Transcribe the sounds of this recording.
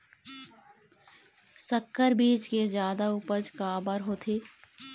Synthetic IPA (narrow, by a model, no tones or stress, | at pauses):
səkʰːəɾbiːt͡ʃkezjaːd̪auːpəd͡ʒkaːbəɾɦoːt̪ʰeː